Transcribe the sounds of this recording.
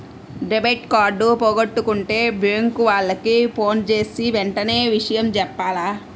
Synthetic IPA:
ɖebɐjʈkaːɾɖupoːɡɐʈːukuɳʈe̞ːbɾeŋkuʋaːɭːɐkipʰo̞ːnt͡ʃe̞ːsiʋɛɳʈɐne̞ːʋiʂɐjɐmt͡ʃɛpːaːlaː

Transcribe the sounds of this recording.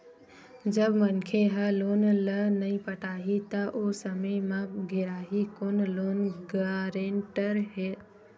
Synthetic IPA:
d͡ʒəbmənkʰeɦəlonlənəipəʈʰaɦit̪əʔosəməjmãɡʱeɾaɦikoːnlonɡaɾeɳʈəɾɦe

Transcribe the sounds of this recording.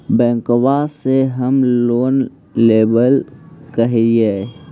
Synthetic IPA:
bɛ̃ːŋkwaseɦəmloːn | leːbəlkəɦie

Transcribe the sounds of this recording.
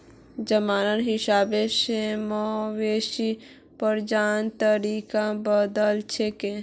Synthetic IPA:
d͡ʒəmaːnəɾɦisaːbeʃemɔʋeʃi | pəɾd͡ʒaːnt̪əɾikabəd̪əlt͡ʃʰeke

